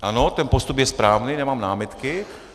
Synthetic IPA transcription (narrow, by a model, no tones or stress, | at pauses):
ʔanot̪ɛnpost̪upjɛspɾaːvniːnɛmaːmnaːmɪt̪kɪ